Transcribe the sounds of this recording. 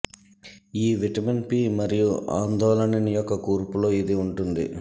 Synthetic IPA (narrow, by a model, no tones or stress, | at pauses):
iːʋiʈɐmenpiːmɐɾijua̰ːnd̪ɔːlɐnɐnɐjɔkːɐkuːɾpulo̞ːid̪iuɳʈund̪ḭ